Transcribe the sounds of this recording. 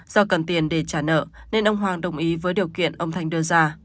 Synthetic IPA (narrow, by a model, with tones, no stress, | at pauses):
z̥ɔ˧kə˨˩nt̪i˨˩ənɗe˧˩t͡ɕaː˧˩nə̰ː˧˨ne˧nʔə˧wŋ͡mɦwaː˧˩ŋɗə˧˩wŋ͡mʔi˨˦vəː˨˦jɗi˨˩əwkḭ˧˨ənʔə˧wŋ͡mt̪ʰa˧jŋ̟ɗɨ˧əzaː˧